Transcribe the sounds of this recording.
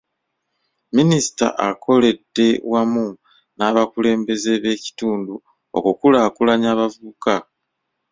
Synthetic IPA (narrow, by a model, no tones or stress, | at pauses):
minisi̥ta̰ʔakʰo̞le̞dːe̞wamu | naːβakule̞ːmbe̞ze̞βe̞ːci̥tuːndu | o̰kukulaːkulaɲaːβavuβuka